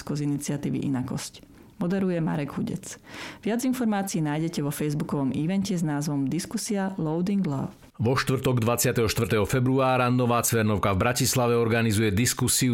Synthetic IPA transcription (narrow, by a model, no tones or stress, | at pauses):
skɔzinit͡sɪat̪iːʋḭʔḭnakɔ̰sc | mɔd̪ɛɾujɛma̰ɾɛɡɦuɟɛ̰t͡sʋɪad͡zinfɔɾmaːt͡siːnaːjɟɛcɛʋɔfɛjzbukɔʋɔmiʋɛncɛznaːzʋɔmd̪iskusialɔʊd̪iŋɡla̰f | ʋɔʃt̪ʋrt̪ɔɡd̪ʋat͡sɪat̪ɛɦɔʃt̪ʋr̩t̪ɛɦɔfɛbɾuaːɾanɔʋaːt͡sʋɛɾnɔʊkavbɾacislaʋɛɔɾɡanizujɛd̪iskusiu